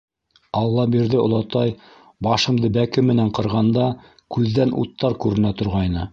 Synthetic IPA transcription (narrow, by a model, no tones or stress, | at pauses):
ɑlˠːɑbiɾðɘŏ̰lˠɑt̪ɑj | bɑʃɤ̆md̪ɤbækɘmɘ̆næɴqɤ̆ɾʁɑnd̪ɑ | kʉðːænʔṵt̪ːɑɾkʉɾɘ̆næt̪ŏɾʁɑjnɤ